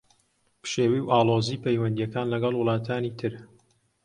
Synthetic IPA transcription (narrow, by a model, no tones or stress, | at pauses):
pʃeːwiwʔaːlˠoːziːpʰɛjwɐnd̪ijɛkaːnlɐɡɐlˠwʊlˠɑːt̪ʰaːnit̪ʰɨɾ